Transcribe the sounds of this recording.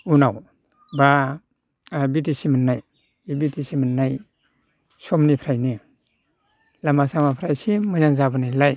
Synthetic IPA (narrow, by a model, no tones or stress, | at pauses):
unaw | ba | bitisimənːaj | ibitisimanːaj | sɔmnipʰɾajni | lamasamapʰɾajsimɯzaŋzabanajlaj